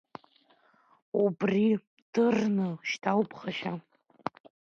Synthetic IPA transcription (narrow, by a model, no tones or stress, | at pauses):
ubri | d̥ɨrnɨʃtʰawpʰχaʃa